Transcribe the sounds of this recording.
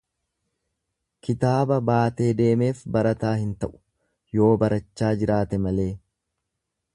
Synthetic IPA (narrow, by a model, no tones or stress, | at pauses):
kɪt̪aːbɐbaːt̪e̞ːd̪e̞ːme̞ːfbɐɾɐt̪aːhɪnt̪ɐʔʊ̥ | jo̞ːbɐɾɐt͡ʃːaːd͡ʒɪɾaːt̪ɛmɐle̞ː